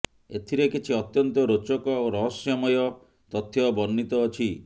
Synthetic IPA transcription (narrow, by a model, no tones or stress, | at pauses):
ḛt̪ʰiɾekit͡ʃʰiɔt̪jɔnt̪ɔɾot͡ʃɔkɔoɾɔɦɔsjɔmɔjɔ | t̪ɔt̪ʰːjɔbɔnːit̪ɔːt͡ʃʰi